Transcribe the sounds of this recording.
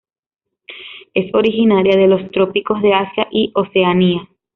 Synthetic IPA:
e̞so̞ɾixinaɾjaðe̞lo̞st̪ɾo̞piko̞zðe̞asjaʔiʔo̞se̞ania

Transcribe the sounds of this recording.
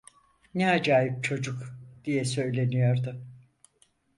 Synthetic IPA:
nɛad͡ʒaːɦip̚t͡ʃʰo̞d͡ʒukd̪̥ijɛsø̞jlʲe̞nijo̞ɾd̪ʊ

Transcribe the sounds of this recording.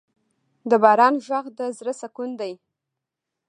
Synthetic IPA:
d̪əbɑɾɑnʒaɣd̪əzɾəsakund̪aj

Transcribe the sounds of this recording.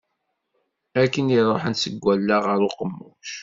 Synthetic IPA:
ækːəniɾˤoħənsəɡʷːælːaʁəɾʊqəmːʊʃ

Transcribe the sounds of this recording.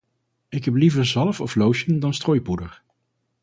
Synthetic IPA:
ɪkɦɛp̬livəɹzɑləfɔflowʃəndɑnstroːjpudə̰ɹ

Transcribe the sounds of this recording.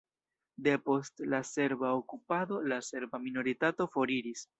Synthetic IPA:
de̞po̞stlase̞ɾbaokupad̪o̞lase̞ɾbamino̞ɾitato̞fo̞ɾiɾis

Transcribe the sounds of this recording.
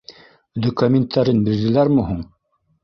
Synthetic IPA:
d̪okɐmʲɪnt̪ʰːaɾɘnbiɾd̪ɘ̆læɾmuɦuɴ

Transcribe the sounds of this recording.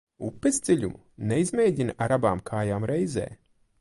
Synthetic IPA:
upːezd̪zʲɛlʲumu | nɛizmeːɟʲinʔaɾabaːmkʰaːjaːmɾɛjzɛ̰ː

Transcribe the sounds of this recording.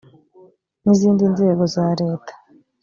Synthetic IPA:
niziːndinze̞ːɡo̞zaɾe̞ːtḁ

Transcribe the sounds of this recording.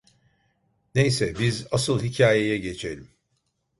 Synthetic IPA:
ne̞jsɛbizasɯlˠhicʰaːje̞jɛɟe̞t͡ʃʰelʲim

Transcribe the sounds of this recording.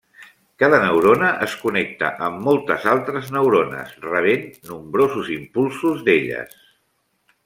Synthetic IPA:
kaðənəwɾonəʔəskunɛk̚t̪ə̰ʔəmːɔlˠt̪əzalˠt̪ɾəznəwɾonə̰srəβ̞enːumbɾozuzimpulˠsuzðeʎə̰s

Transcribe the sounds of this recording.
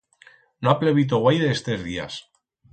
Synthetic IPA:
noapleβit̪̬oɣwajðest̪ezðia̰s

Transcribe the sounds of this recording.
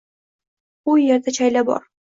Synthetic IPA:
ujeɾd̪at͡ʃʰajlabɒ̰ɾ

